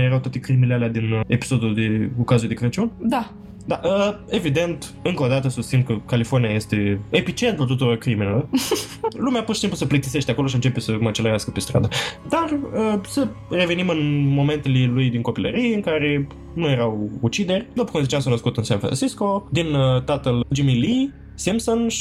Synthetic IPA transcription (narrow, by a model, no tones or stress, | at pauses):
jeɾawt̪at̪ekɾimilealead̪inepi̥so̞d̪uld̪e̞kukazuld̪ekɾət͡ʃund̪a | d̪aʔəe̞vid̪e̞nt̪ | ɨŋkoːd̪at̪əsust̪sinkəkalifornijajest̪e̞efit͡ʃent̪ult̪ot̪uɾorkɾiminelo | lumeapurʃi̥simpluseplikt̪ise̞ʃt̪eako̞lo̞ʃiɨnt͡ʃe̞pesəmət͡ʃeləɾeaskəpest̪ɾa̰d̪əd̪arəsəre̞venimɨnmo̞me̞nt̪elelujd̪iŋko̞pilə̰ɾieɨŋkaɾe̞ | nuje̞ɾawut͡ʃid̪e̞rʲd̪opəkumzit͡ʃamsanəskut̪ɨnsanfɾa̰nsisko̞d̪int̪at̪əld͡ʒimili | simsonʃi